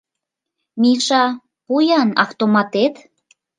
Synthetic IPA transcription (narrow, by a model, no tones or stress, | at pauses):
miʃɑ | pujɑnɑ̰ft̪omɑt̪et̪